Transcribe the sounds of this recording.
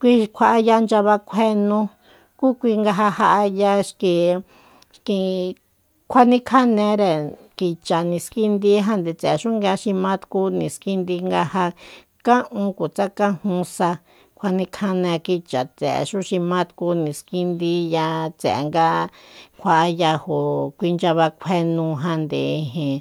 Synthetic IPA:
kʷi˦kʷʰa˧ʔa˧ja˧nd͡ʒa˧βa˧kʷʰe˧nũ˧ | ku˦kʷi˧ŋɡa˧ɦa˧ha˧ʔa˧ja˧ʃki˧ | ʃkĩ˧ | kʷʰa˦nĩ˦kʰa˦nẽ˧˦ɾe˨ | ki˧t͡ʃa˨nĩ˧ski˦nd̪i˧˦ɦã˧nd̪e˧t͡se˨ʃũ˦ŋɡe˧ʃĩ˧mã˦t̪ku˦nĩ˨ski˦nd̪i˧ŋɡa˧ha˧ | kã˦ʔũ˧ku˨t͡sa˦kã˦hũ˧sa˧ | kʷʰa˧nĩ˦kʰa˦nẽ˧ki˧t͡ʃa˨t͡sḛ˨ḛ˧˨ʃũ˦ʃĩ˧mã˦t̪ku˧˦nĩ˨ski˦nd̪i˧˦ja˧t͡sḛ˨ḛ˨ŋɡa˦kʷʰa˧ʔa˦˧ja˧ho˨kʷi˧nd͡ʒa˧βa˧kʷʰe˦nũ˧ɦã˧nd̪ḛ˨i˧ɦĩ˨

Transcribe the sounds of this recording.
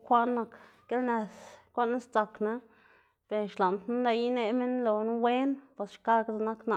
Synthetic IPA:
kʷa˦ʔnːa˧kɡe˦lne˧skʷa˦ʔna˦st͡sa˧kna˦ | b̥e˨ʃla˨nt̪nu˦la˧ji˦ne˧me˦nlo˨nu˦we˦npa˨sʃka˦ɡza˧na˦kna˧˨

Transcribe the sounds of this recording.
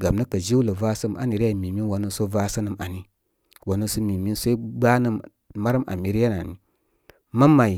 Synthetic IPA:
ɡa˨mnə˦kə˨d͡ʒi˦wlə˨va˦sə˦mʔa̰˨ni˨ɾa˦˨mi˨mi˦n˦wa˨nə˦so˦va˦sə˦nə˦ma̰˨ni˨ | wa˨nə˦su˦mi˨mi˦nso˦i˦ɡ͡ba˦nə˦m | ma˦ɾmʔa̰˨mi˨ɾi˦ja˦na˨ni˨ | ma˦ma˨i˨

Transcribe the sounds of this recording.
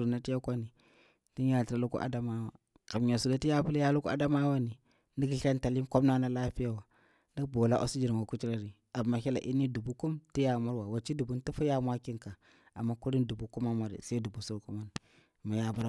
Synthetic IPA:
na˦ti˦ja˦kʷa˦ni˨ | ti˦ja˨tɾa˦lu˦kṵ˦ʔa̰˨da˦ma˦wa˨ | ka˨mɲa˨su˨da˦ti˦ja˦pu˦lja˦lu˦ku˦a̰˦da˦ma˦wa˦ni˨ | ndi˦kɬa˦nta˨li˦nko˦bna˦na˦la˦pi˦ja˦wa˨ | ndi˦k̚bo˨la˦ʔo̰˦si˦d͡ʒi˨ɾma˨ku˦t͡ʃi˦ɾa˦ɾi˨ | a˨ma˨xi˦la̰˨ʔi˦ni˦du˨bu˦ku˦mti˦ja˦ma˦ɾwa˨wa˨t͡ʃi˦du˨bu˦nti˦fu˦ja˦mʷa˦ki˦ŋka˨ | a˨mːa˦ku˦ɾi˦ndu˨bu˨ku˦ma˦ma˦ɾḭ˨sa˦du˨bu˨su˦ku˦ma˦ni˨ | ma˨ja˦bu˦ɾ

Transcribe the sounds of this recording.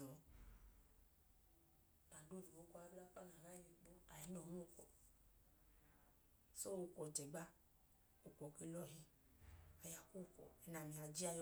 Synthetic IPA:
ɔ˨ | a˨do˦vi˨wo˦kɔ˦a˦bla˦fa˦n˨a˨va˦i˦mi˨k͡po˦a˨i˨˦nɔ˨hno˦kɔ˨ | so˦wo˨˧kɔ˨d͡ʒɛ˨ɡ͡ba˦ | o˨kɔ˨ke˦lɔ˦ɦi˦ | a˨ja˨ku˦˨kɔ̰˨ɛ˨na˨mĩ˨a˨d͡ʒi˦a˧˨j

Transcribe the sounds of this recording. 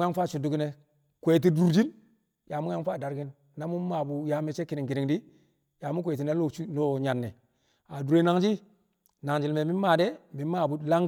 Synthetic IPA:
ja˦ŋfa˦˨t͡ʃu˨du˦ki˦ne˨ | kʷe˨t̬i˦du˨ɾd͡ʒi˦n | ja˨mu˦ja˦ŋfa˦˨da˨ɾɡi˦nː | a˦mu˦ma˨bu˨ja˨˦me˦˨t͡ʃe˦ki˨ni˨ki˨ɾi˨ŋdi˦ | ja˨mu˦kʷe˨t̬i˨na˦o˦lo˦ɲa˨nːe˨ | a˨du˨ɾe˨˦na˨ŋd͡ʒi˦ | na˨ŋd͡ʒi˨lme˨mi˦ma˨de˦mi˨˦ma˦˨bu˨˦la˦ŋɡ

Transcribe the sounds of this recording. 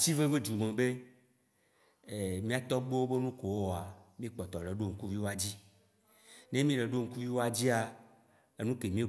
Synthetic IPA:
t͡ɕi˦ve˦ve˦d͡ʒu˨mẽ˨be˦ | e˨mĩ˦a˨t̪ɔ˦ɡ͡bo˦wo˦be˦nũ˦ko˨wo˦a˨mĩ˦k͡pɔ˨t̪ɔ˨ɖe˨ɖo˦˨ŋ̩˨ku˦vi˦wo˦a˦d͡ʑi˦ | ne˦mĩ˦ɖe˨ɖo˦ŋ̩˨˦ku˦vi˦wo˦a˦d͡ʑi˦a˨ | e˦nũ˦ke˨mĩ˦˨

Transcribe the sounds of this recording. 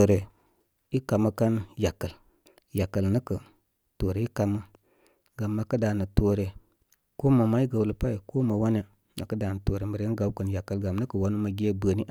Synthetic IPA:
o˨ɾe˨ | i˦ka˨mə˦ka˦nja˨kːə˨l | ja˨kːə˨lnə˦kə˨ | to˨ɾe˨i˦ka˧mə˦ | ɡa˨mːa˨kə˦da˨nə˨to˨ɾe˨ | ko˦ma˨ma˨˦i˦ɡa˨wlə˨pa˦i˨ko˦ma˨wa˦ne˨ | na̰˨kə˦da˨n˨to˨ɾe˨mə˨ɾə˦n˦ɡa˨˦wkə˨nja˨kːə˨lɡa˨mnə˦kə˨wa˨˦nu˦ma˨ɡʲe˦bə˨ni˦

